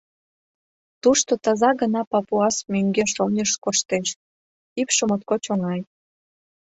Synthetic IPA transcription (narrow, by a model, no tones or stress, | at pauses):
t̪uʃt̪ot̪ɑzɑɣənɑpɑpuɑsmøŋɡeʃonʲəʃkoʃt̪eʃ | ipʃəmot̪̚kot͡ɕoŋɑj